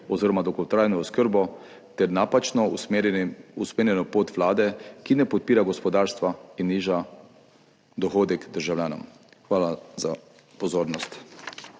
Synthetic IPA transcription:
ɔziɾɔmad̪ɔɡɔwt̪ɾaːjnɔɔskəɾbɔ | t̪ɛɾnapat͡ʃnɔ | usmeːɾjɛnɔpoːt̪ʋlaːd̪ɛkinɛpɔt̪̚piːɾaɡɔspɔd̪aːɾst̪ʋainːiːʒa | d̪ɔxoːd̪ɛkd̪əɾʒawlʲjaːnɔ̰m | xʋaːlaza | pɔzoːɾnɔst̪

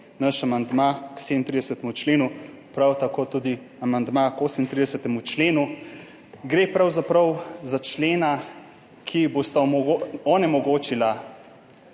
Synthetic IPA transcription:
naʃamand̪makseːd̪nt̪ɾid̪ɛsət̪ɛmut͡ʃleːnu | pɾawt̪akoːt̪uːd̪i | amand̪makoːsmint̪ɾid̪ɛsət̪ɛmut͡ʃleːnu | ɡɾepɾawzapɾɐwzat͡ʃleːna | kʰibost̪aɔnɛmɔɡoːt͡ʃila

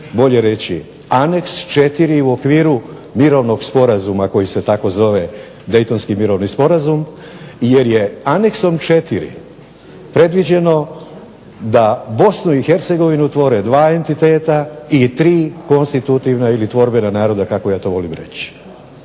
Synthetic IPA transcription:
bo̞ʎe̞ɾe̞t͡ɕḭ | ane̞kst͡ʃe̞t̪iɾiuokʋiːɾu | miɾo̞ʋno̞ɡspo̞ɾazumako̞jise̞t̪ako̞zo̞ʋe̞ | d̪e̞jt̪o̞nskimiɾo̞ʋnispo̞ɾazum | je̞ɾje̞ane̞kso̞mt͡ʃe̞t̪iɾḭ | pɾe̞d̪ʋid͡ʑe̞no̞ | d̪abo̞snuixe̞ɾt̪se̞ɡo̞ʋinut̪ʋo̞ɾed̪ʋaːe̞nt̪it̪e̞ːt̪ait̪ɾiːko̞nst̪it̪ut̪iʋnailit̪ʋo̞ɾbe̞nanaːɾo̞d̪akako̞jaːt̪o̞ʋo̞limɾe̞̰t͡ɕi̥

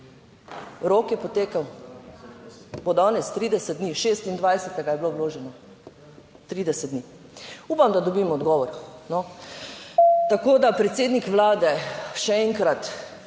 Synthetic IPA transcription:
ɾoːkjɛpɔt̪eːkaw | bod̪ɔːnɛst̪ɾiːd̪ɛsɛd̪d̪niʃeːst̪ind̪ʋajsɛt̪ɛɡajɛblowloːʒɛnɔ | t̪ɾiːd̪ɛsɛd̪̚d̪niː | uːpamd̪ad̪ɔbiːmɔːd̪ɡɔːʋɔɾnɔ | t̪akoːd̪apɾɛt̪seːd̪nikʋlaːd̪ɛʃɛɛŋkɾat̪

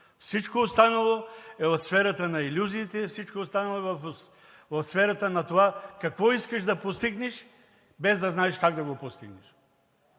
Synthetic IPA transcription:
fsit͡ʃkoːst̪anɐlˠoɛvɐfsfɛɾɐt̪anailʲuziːt̪ɛfsit͡ʃkoost̪anɐlˠoɛvf | vɐfsfɛɾɐt̪anɐt̪ovakakvɔiskɐʃd̪ɐpost̪iɡnɛʃ | bɛzd̪ɐznaɛʃkaɡd̪ɐɡopost̪iɡnɛʃ

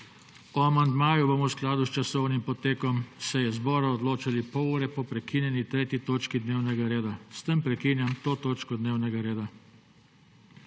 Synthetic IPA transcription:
ɔamand̪maːjubomɔwsklaːd̪ust͡ʃasɔwnimpɔt̪eːkɔmsɛjɛzbɔːɾaɔd̪loːt͡ʃalipɔuɾɛpɔpɾɛkiːnjɛnit̪ɾeːt̪jit̪oːt͡ʃkid̪neːwnɛɡaɾeːd̪ast̪əmpɾɛkiːnjamt̪oːt̪oːt͡ʃkɔd̪neːwnɛɡaɾeːd̪a

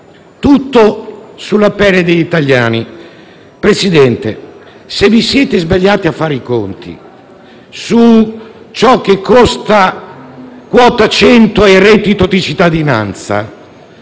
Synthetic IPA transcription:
t̪ut̪ːosulapɛlːed̪eʎit̪aʎjaːni | pɾesid̪ɛnt̪e | sevːisjɛːt̪ezbaʎːaːt̪iafːaːɾikont̪ḭ | su | t͡ʃɔk̟ːekʰːɔst̪a | kwɔːt̪at͡ʃɛnt̪oeret̪it̪ot̪it͡ʃit̪ːad̪ina̰nt̪sa̰

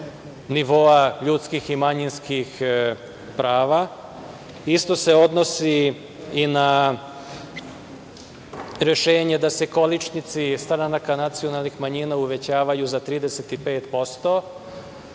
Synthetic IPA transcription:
niʋo̞aʎut̪skiximaɲinskix | pɾaːʋa | ist̪o̞seo̞d̪no̞siː | na | ɾe̞ʃe̞ːɲe̞d̪ase̞ko̞lit͡ʃnit̪sist̪ɾanakanat̪sijo̞nalnixmaɲinauʋe̞t͡ɕaːʋajuzat̪ɾiːd̪eset̪ipe̞ːt̪po̞st̪o̞

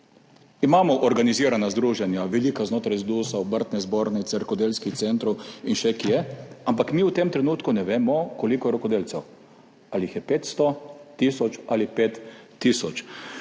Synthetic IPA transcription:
imaːmɔʔɔɾɡaniziːɾanazd̪ɾuːʒɛnjaʋɛliːkaznoːt̪ɾajzd̪uːsaɔbəɾt̪nɛzboːɾnɛsɛɾkɔd̪eːlskixtsɛnt̪ɾɔwinʃɛkijɛampakmiːwt̪emt̪ɾɛnuːt̪kunɛʋeːmɔkɔlikɔjɛɾɔkɔd̪eːlt̪sɛw | aliixjɛpeːt̪st̪ɔt̪isɔt͡ʃalipeːt̪ːisɔt͡ʃ

